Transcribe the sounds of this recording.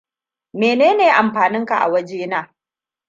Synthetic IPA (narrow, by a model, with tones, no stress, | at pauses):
meː˨neː˦neː˨ʔa˨mɸaː˨nɪ˦ŋka˨ʔa̰˨wɐ˦d͡ʒeː˦naː˨